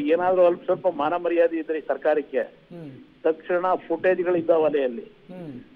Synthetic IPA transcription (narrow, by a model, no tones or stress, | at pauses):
eːnaːd̪ɐɾuɦɐlpɐsɐlpɐmaːnɐmɐɾijaːd̪iid̪ɾisɐɾkaːɾikːe | t̪ɐkʂɐɳɐpʰuʈeːd͡ʒɡɐɭid̪ːɐʋɐlɛjɐlːi